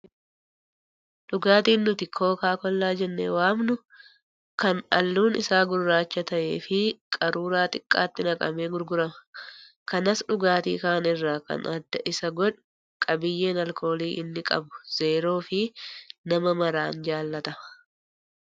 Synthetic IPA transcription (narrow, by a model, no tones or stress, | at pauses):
ᶑʊɡaːt̪iːnːʊt̪ɪkʰo̞ːkaːkɔlːaːd͡ʒɛnːḛːwaːmnʊ | kɐnɐ̰lːuːnɪ̰saːɡʊɾːaːt͡ʃːɐt̪ɐʔe̞̰ːfɪkʼɐɾuːɾaːt̪ʼɪkʼːa̰ːt̪ːɪnɐkʼɐ̰meːɡʊɾɡʊɾɐmɐ | kɐnɐsᶑʊɡaːt̪ḭːkaːnɪrːaːkɐ̰nɐd̪ːɐʔɪsɐɡɔᶑʊ | kʼɐbɪjːe̞ːnɐlkʰo̞ːliːʔɪnːɪkʼɐ̰bʊ̥z̥e̞ːɾo̞ːfɪnɐmɐmɐɾaːnd͡ʒaːlːɐt̪ɐɐ̥